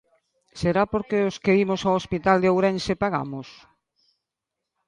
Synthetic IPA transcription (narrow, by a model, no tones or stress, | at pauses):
seɾapoɾkeoskeimosaoospit̪ald̪eowɾɛnsepaɣa̰mos